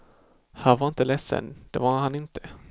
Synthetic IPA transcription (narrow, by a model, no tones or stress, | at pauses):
hæːɾvaɾɪnt̪əlɛsːə̰nd̪̥ɛvaɾhanɪnt̪ʰə̥